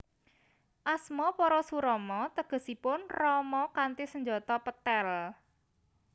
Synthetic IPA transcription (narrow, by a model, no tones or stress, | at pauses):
ʔasmɔpɔɾɔsuɾɔmɔt̪əɡ̥ə̤sipʊnrɔmɔkant̪isəɲd͡ʒɔt̪ɔpət̪ɛl